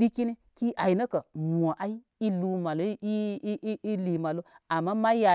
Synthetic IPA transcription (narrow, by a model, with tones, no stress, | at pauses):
i˦ki˦ni˦ki˦ʔa˨i˨nə˦kə˨m˨o˨ʔa˦i˦ | i˦lu˨ma˨lo˦i˦ʔi˦li˨ma˨lo˦a˨mːa˦ma˦ja˨